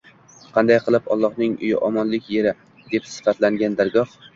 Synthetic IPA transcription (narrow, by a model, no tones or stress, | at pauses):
qʰɑnd̪ajqʰɨlˠɪpɒlˠːɒhnɪŋʊ̰jɪ̰ʔɒmɒnlɪkʲje̞ɾɪ | d̪e̞psɪ̥fat̪laŋɡʲand̪aɾɡɒh